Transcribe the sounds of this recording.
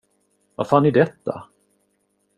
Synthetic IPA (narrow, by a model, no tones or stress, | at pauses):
vafaːnɪd̪ɛt̪ʰːa̰